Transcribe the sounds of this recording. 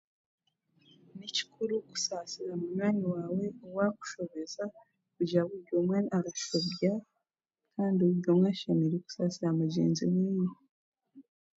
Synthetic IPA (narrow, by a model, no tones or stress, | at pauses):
nici̥kʰuɾuku̥sasiɾamunwaːɲiwaːwe̞owaku̥ʃoβeza | kuɟaβuβɟomwenaɾaʃoβɟa | kʰaːndiouɟomwaʃamiɾiku̥sasiɾamuɟḛːnziweːjo